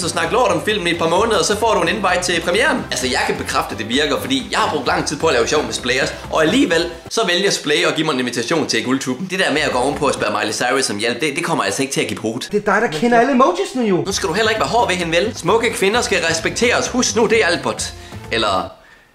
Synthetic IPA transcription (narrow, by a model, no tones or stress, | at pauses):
sɒsnɑ̈ɡ̥l̩ˠɒːɐɾɒ̽mfil̰mn̩ied̥pɑ̈mɔ̽ːnəð̩ˠɒsɒ̽fɒ̰ːɾue̝ne̝n̩bɑ̈ɪ̰d̥̚t͡sʰe̝pʰʁɛmiḛːɐnælsɐjɑ̈ɪkʰæb̥e̝kʰʁɑfd̥əd̥e̝ʋiɐɡ̥ɐfɒ̽d̥ḭːjɑ̈ɪhɑ̈b̥ʁɔɡ̥̚d̥lɑ̈ŋ̰t͡sʰið̰ˠpʰɒ̽ɐlɛːʊɕɒʊmesb̥leɪɒs | ʔɒ̽æliːʋel̰ | sɒ̽ʋeljɐsb̥leɪɒ̽ɡ̥ḭːmɑ̈e̝neʋit͡sʰæɕo̝̰ːnt͡sʰe̝lɡ̥ult͡sʰuːb̥n̩d̥e̝d̥æɐ̰meæɡ̥ɒ̰ːɔnpʰɒ̽æsb̥æɐmɑ̈ɪlisɑ̈ɪʁisɒ̽mjel̰b̥̚d̥e̝d̥e̝kʰɒ̽mɐæl̰sɐeɡ̥̚t͡sʰe̝æɡ̥ib̥ʰʁuːd̥ˠd̥e̝ɐd̥ɑ̈ɪɾɑkʰenɐæləmoʊt͡sʰisnəjonusɡ̥æd̥uɦel̰ɐeɡ̥ʋæɐɦɒ̰ːʋe̝ɦe̝nʋelsmɔ̽ɡ̥əkʰʋe̝nɐsɡ̥æʁɛsb̥eɡ̥̚t͡sʰe̝̰ːɐɒshusɡ̥nud̥e̝ælb̥ɒd̥elɐ